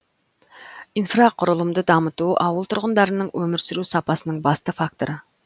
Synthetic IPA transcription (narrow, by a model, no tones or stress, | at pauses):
infraqʰʊɾəlˠəmd̪əd̪ɑmət̪uʔɑ̰wəlˠt̪ʰʊɾʁənd̪ɑɾənəɴwɵmɪɾsɪɾusɑpɑsənəɴbɑst̪əfak̚t̪o̞ɾə